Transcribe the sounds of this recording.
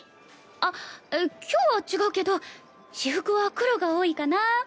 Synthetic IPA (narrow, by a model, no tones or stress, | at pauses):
a | kʲʰo̞ːβat͡ɕiɡaɯ̟ke̞d̪o̞ | ɕiɸɯ̟kɯ̟βakɯ̟ɾo̞ɡaoːikana